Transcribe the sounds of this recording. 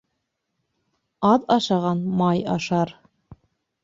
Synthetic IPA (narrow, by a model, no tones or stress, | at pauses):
ɑðɑʃɑʁɑnmɑjɑ̰ʃɑɾ